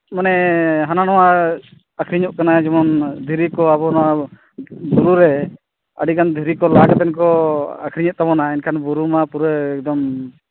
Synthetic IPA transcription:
manɛɦananɔwa | akʰɾiɲuʔkanad͡ʒɛmɔnd̪ʱiɾikɔabɔnɔwa | buɾuɾɛ | ə̰ɖikand̪ʱiɾikɔlaɡat̪ɛnkɔa̰kʰɾiɲɛt̪̚t̪aβɔnainkʰanbuɾumapuɾəɛɡ̚d̪ɔm

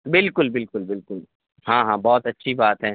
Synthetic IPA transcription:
bɪlkʊlbɪlkʊlbɪlkʊl | ɦãːɦãːbɔːt̪ɐtːʃʰibaːt̪ɦɛ̃ː

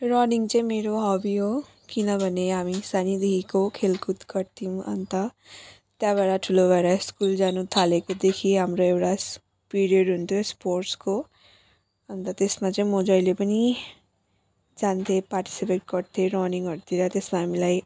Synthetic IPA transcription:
ɾɔniŋɡt͡sʌ̃ĩmeɾoɦɔbiɦo | kinʌbʱʌneɦamisanid̪eɦikokʰelkut̪kʌɾt̪ʰimʌ̰nt̪ʌ | t̪jabaɽaʈʰulobaɾaskuld͡ʒanut̪ʰalekod̪ekʰiɦamɾoewɽas | piɾijʌɖɦunt̪ʰjospoɾʈsko | ʌnt̪at̪esmãt͡sʌ̃ĩmod͡ʒʌilepʌni | d͡ʒant̪ʰepaɾʈi̥sipeʈ̚kʌɾt̪ʰeɾɔniŋɡɦʌɾt̪iɾʌt̪esmãɦamilai

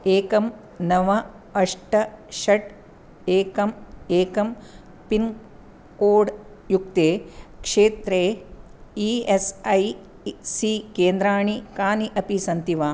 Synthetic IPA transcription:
eːkɐm | nɐʋɐ | ɐʂʈɐʃɐʈ | eːkɐmeːkɐm | pin | koːɖ | juk̚t̪eːkʂeːt̪ɾeː | iesɐj | sikeːnd̪ɾaːɳikaːniʔɐpisɐnt̪iʋaː

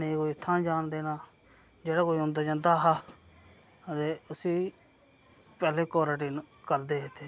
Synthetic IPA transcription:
eːkoːiʊt̪ʰːãːd͡ʒaːnd̪eːnaː | d͡ʒeːɽaːkoːiɦõnd̪aːd͡ʒãːnd̪aːɦaː | ət̪eːʊsiː | pɛːleːkɔːɾaːʈiːnkəɾd̪eːɦeːt̪ʰeː

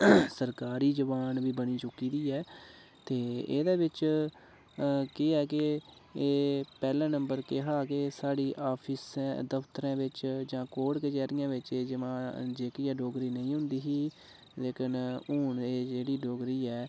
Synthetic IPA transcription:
səɾkaːɾiːd͡ʒəʋaːnʋiːbəniːt͡ʃʊkiːd̪iːɛː | t̪eːḛːd̪eːʋɪt͡ʃ | kɪɛːkɪ | eːpɛːlɛ̃ːnə̃mbəɾkeɦaːkeːsaːɽiːʔaːpʰɪsɛ̃ːd̪əpt̪əɾɛ̃ːʋɪt͡ʃd͡ʒãːkoːɽket͡ʃɛːɾɪjãːʋɪt͡ʃeːd͡ʒɪʋãːd͡ʒeːkiːaːɖoːɡɾiːnəĩːɦʊ̃nd̪iːɦiː | leːkʰənuːɳeːd͡ʒeːɽiːɖoːɡɾiːɛː

